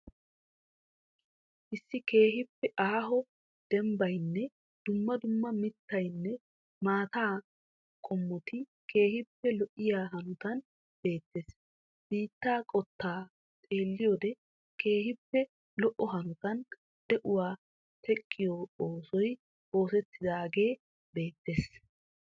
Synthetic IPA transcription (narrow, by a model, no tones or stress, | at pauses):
ʔɪsːɪke̞ːɦɪpːɛʔaːɦɔ | d̪̥ɛmbɐjnːɛ | d̪̥ʊmːɐd̪ʊmːɐmɪt̪ːɐjnːɛ | maːt̪aː | kʼɔmːɔt̪ɪ | kʰe̞ːhɪpːɛlɔʔːɪjaːɦɐnʊt̪ɐn | b̥e̞ːt̪ːeːs | b̥iːt̪ːaːkʼɔt̪ːaː | t̪ʼe̞ːlːɪjɔd̪ɛ | ke̞ːhɪpːɛ | lɔʔɔɦɐnʊt̪ɐn | d̪̥ɛʔʊwaː | t̪ɛkʼːɪjɔoːsɔj | o̞ːsɛt̪ːɪd̪aːɡe̞ː | be̞ːt̪ːe̞ːs